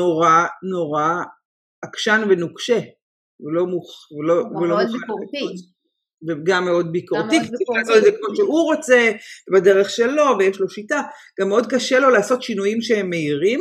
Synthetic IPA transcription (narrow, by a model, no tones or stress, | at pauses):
noʁano̞ʁa | akʃanvenukʃe | velo̞muχveloveloa | veɡamːeo̞d̚bikoʁtikiaozeɛkmoʃeʔuʁo̞t͡se̞bade̞ʁeχʃe̞lo̞vejeʃlo̞ʃitaɡ̥amːeo̞d̚kaʃelo̞laːso̞tʃinujimʃehemːeiʁim